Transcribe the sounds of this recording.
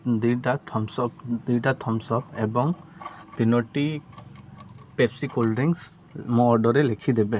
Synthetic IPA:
d̪iɖat̪ʰɔmsɔpd̪iʈat̪ʰɔmsɔpebɔŋd̪̥inɔʈi | pepsikolɾiŋs | mɔ̃ɔɖɔɾelekʰid̪ɛbe

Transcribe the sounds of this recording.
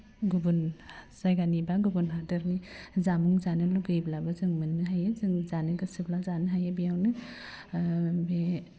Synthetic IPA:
ɡubunzajɡanibaɡubunɦadɯɾnizamuŋzanɯluɡɯjblabazɯŋmɯnːɯɦajezɯŋzanɯɡɯsiblazanɯɦajebijawnɯ | be

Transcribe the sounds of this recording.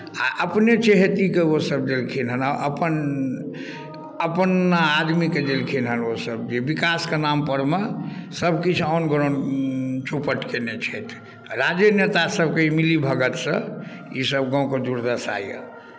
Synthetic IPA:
aʔəpnet͡ʃeɦet̪ikeosəb̚d̪elkʰinɦənaʔə̰pən | əpnaːd̪miked̪elkʰinɦənosəb̚d͡ʒebikaskenampəɾmesəbʱkit͡ʃʰɔnɡɾont͡ʃopəʈkenet͡ʃʰɛt̪ʰ | ɾad͡ʒjənet̪asəb̚ʱkeimilibʱəɡət̪sə̃ḭsəbɡɔ̃ũked̪uɾd̪əsa̰jə̰

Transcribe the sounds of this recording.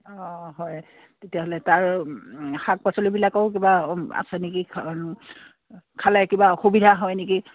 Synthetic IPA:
ɔɦɔj | tetijaɦolɛtaɹ | xak̚pasolibilakɔʊkibaa̰sɛneki | kʰalakibaxubidʱaɦɔjneki

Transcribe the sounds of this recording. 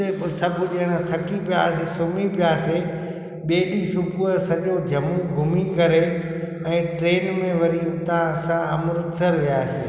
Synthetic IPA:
sɐbʱʊʄeːɪɽ̃ət̪ʰɐkipija̰ːsesʊmipɪjaːse | ɓeːɗisʊpuəsɐʄod͡ʑʱɐmũɡʱʊmikɐɾe | ɛ̃ːʈɾeːnmẽʋɐɾit̪ãsãɐmɾʊt̪ʰəɾʋijaːsḛː

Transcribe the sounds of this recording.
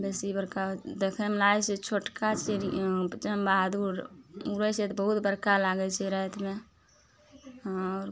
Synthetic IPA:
beːsibəɾkad̪ekʰɛmelajset͡ʃʰoːʈkat͡ʃeɾit͡ʃəmbaɦd̪uɾuɾəset̪bəɦut̪bəɾkalaɡɛt͡ʃʰɛɾəɦt̪me | ɔɾ

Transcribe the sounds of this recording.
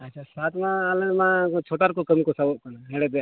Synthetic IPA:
əːt͡ʃʰaːsaːt̪ʰmãalə̃mãt͡ʃʰoːʈaːɾkokəmikosaboʔ̚kənaɦeɽed̪e

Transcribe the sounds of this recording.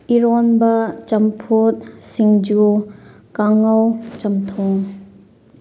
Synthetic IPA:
iɾɔnbɐt͡ʃɐmpʰut̚siŋd͡ʒu | kaŋɐwt͡ʃɐmt̪ʰɔŋ

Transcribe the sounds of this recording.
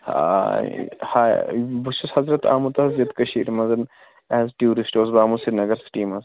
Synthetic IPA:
ha̰ | ha̰buʃushɐzɾɐt̪ʰa̰ːmut̪ɐzɐt̪kɐʃiːɾmɐzɐn | ɛːzʈjuːɾisʈoːzbaːmusinɐɡɐɾsʈiːmɐz

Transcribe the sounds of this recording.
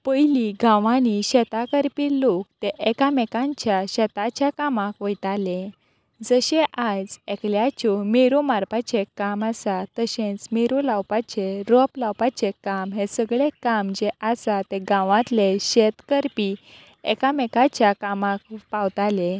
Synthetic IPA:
pəjliɡãʋãniɕɛt̪akəɾpilok̚t̪eʔɛkamɛkãɲt͡ɕjaɕɛt̪at͡ɕjakamakʋəjt̪ale | d͡zəɕeʔad͡zekljat͡ɕɔmeɾomaɾpat͡ɕekamasat̪əɕẽt͡smeɾolawpat͡ɕeɾɔplawpat͡ɕekamɦesəɡɭekamd͡ʑeasat̪eɡãʋãt̪leɕɛt̪kəɾpi | ɛ̰kamɛkat͡ɕjakamak̚pawt̪ale

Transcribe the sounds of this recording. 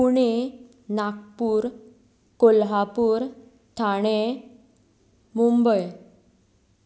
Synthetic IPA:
puɽe | nak̚puːɾ | kolɦapuːɾ | t̪ʰaɽ̃e | mumbəj

